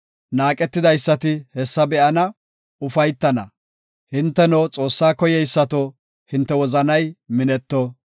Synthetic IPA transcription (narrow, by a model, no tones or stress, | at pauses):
naːkʼɛt̪ːɪd̪ɐjsːɐt̪ɪhɛsːɐbɛʔɐnɐ | ʊfɐjt̪ːɐnɐ̰ | hɪnt̪ːɛnot͡sʼo̞ːsːaːkɔjɛjsːɐt̪o | hɪnt̪ːɛwɔzɐnɐjmɪnɛt̪ːɔ